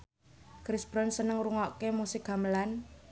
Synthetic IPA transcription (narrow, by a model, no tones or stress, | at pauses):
kɾisb̥ɾɔnsənəŋɾuŋɔʔkemusɪk̚ɡa̤məlan